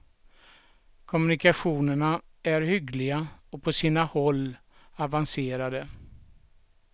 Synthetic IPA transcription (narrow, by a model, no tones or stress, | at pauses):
kʰɔmɵnɪkaɧuːnəɳaæɾhʏɡlɪɡaɔpʰɔsiːnahɔlː | avanseːɾad̪ə